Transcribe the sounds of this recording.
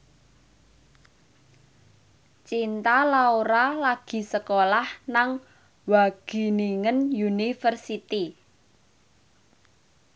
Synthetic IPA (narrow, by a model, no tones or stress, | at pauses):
t͡ʃint̪alauɾalaɡ̥i̤səkolahnaŋ | waɡ̥i̤niŋənjunifərsit̪i